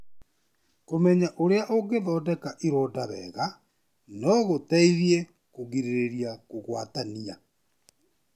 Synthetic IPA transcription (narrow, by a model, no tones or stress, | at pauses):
komɛɲaʔoɾeaʔoɡeðɔdɛkaʔiɾɔːdaβɛ̰ɣa | nɔɣotaiðje | koɣiɾeɾeɾiakoɣwa̰tania